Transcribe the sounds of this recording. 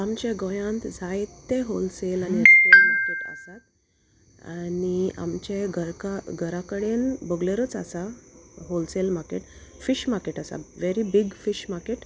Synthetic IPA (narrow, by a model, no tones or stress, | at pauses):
amt͡ɕeɡojãnt̪d͡zʱajt̪ːeɦolselaniskemaɾkeʈə̰sat̪̚ | ania̰mt͡ɕeɡəɾkaɡʱəɾakəɽenbəɡleɾət͡sa̰saɦolselmaɾkeʈ | fiɕmaɾkeʈasa̰ʋeɾibiɡfiɕmaɾkeʈ